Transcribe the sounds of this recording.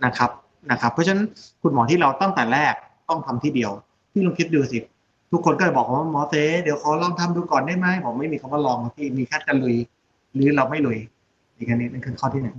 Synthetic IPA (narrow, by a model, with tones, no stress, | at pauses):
na˦˥˩kʰa˦˥p̚ | na˦˥˩kʰa˦˥pʰːɔ˦˥˧nkʰu˧nmɔː˨˩˦t̪ʰiː˥˩ɾa˧wt̪ɔ˥˩ŋt̪ɛː˨˩lɛː˥˩k̚ | t̪ɔ˥˩ŋt̪ʰa˧mt̪ʰiː˥˩di˧əw | t̪ʰiː˥˩lo˧ŋkʰi˦˥t̪̚duː˧si˨˩t̪̚ | t̪ʰu˦˥kʰːo˧nkɔː˥˩t͡ɕa˨˩bɔː˨˩kʰa˦waː˥˩mɔː˨˦seː˧˥di˩˦əwkʰa˨˦wlɔː˥˩ŋt̪ʰa˧˥˨mduː˧kɔː˨˩ndaː˥˩jma˦˥˩jbɔː˨˩˦ma˥˩jmiː˧kʰwaː˥˩lɔː˧ŋa˧˩t̪ʰiː˥˩miː˧kʰaː˥˩n̚ka˧lu˧j | ɾɯː˨˦ɾa˧wma˥˩jlu˧j | iː˨˩ka˧ni˧˩na˥˩kʰɯ˧˥˩nkʰaː˥˩t̪ʰiː˥˩na˨˦j